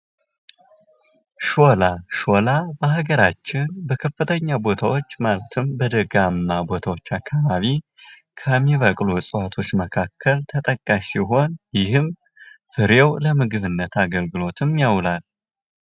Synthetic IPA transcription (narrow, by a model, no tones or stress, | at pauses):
ʃolaʃo̞labəhaɡəɾat͡ʃːɪnbəkʰəfːɨt̪ʰəɲːabo̞t̪ʰawo̞t͡ʃːmalət̪ʰɨmbəd̪əɡamːabo̞t̪ʰawo̞t͡ʃːakʰːaβaβi | kʰəmːiβəkʼlusʼɨwat̪ʰo̞t͡ʃːməkʰakʰːəlt̪ʰət̪ʼəkʼːaʃsiɦo̞njɪhɨm | fɨɾjɛwləmɨɡɨβɨnːət̪aɡəlɡɨlo̞t̪ʰɨmjawlal